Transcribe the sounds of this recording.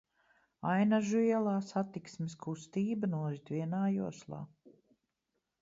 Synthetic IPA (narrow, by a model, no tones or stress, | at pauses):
ajnaʒuɛlˠaːsat̪iksmɪskʰust̪iːbanuɔɾit̪ʲviɛnaːjuɔslˠɑ̰ː